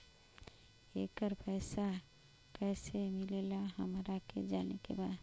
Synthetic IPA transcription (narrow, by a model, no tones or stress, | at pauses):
ekəɾpəɪsa | kəɪsemilelaɦəmɾakḛd͡ʒanekḛbad̪